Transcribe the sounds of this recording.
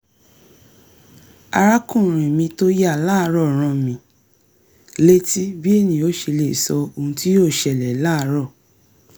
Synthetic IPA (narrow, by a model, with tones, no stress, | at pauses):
a˧ɾa˦kũ˦˨ɾ̃ĩ˨mĩ˧to˦ja˦˨laː˦˧˦ɾɔ˦˨ɾ̃ɔ̃˧mĩ˨˦˨ | le˦ti˦bi˦e˦˨nĩ˧o˦ʃe˧le˦˨sɔ˧o˧˨ũ˧˦ti˦o˦˨ʃɛ˨lɛ˨˦laː˦˨˧ɾɔ˦˨